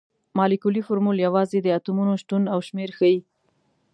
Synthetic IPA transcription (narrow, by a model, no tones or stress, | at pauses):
mɑlikulifʊɾmuljawɑzed̪əat̪umunoʃʈ̪unawʃmeɾxəji